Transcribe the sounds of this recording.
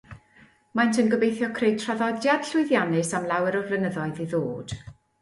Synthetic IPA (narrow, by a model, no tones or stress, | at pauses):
majntʰənɡəbejθjɔkʰrejtʰraðɔdjad̥ɬʊɨðjanɨsamlˠawɛɾɔrvlənəðɔɨðiðoːd̥